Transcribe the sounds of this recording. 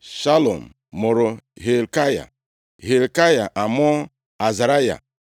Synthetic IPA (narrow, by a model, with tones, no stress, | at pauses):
ʃa˦lo̰˨m̩˨ | mo˨ɾo˨ɦe˨lka˦ja̰˨ | ɦe˨lka˦ja˨ʔa˨m˦ɔ˦ | a˨za˨ɾa˦ja̰˨